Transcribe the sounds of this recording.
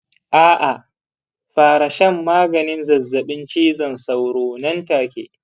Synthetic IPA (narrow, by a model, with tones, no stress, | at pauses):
ʔaː˦ʔa˨ | ɸaː˨ɾa˨ʃɐ˦mːaː˦ɡɐ˨nɪ˦nzɐ˨zːɐ˨ɓɪ˦nt͡ʃiː˦zɐ˨nsa˨wɽoː˨nɐ˦ntaː˨kʲḛ˦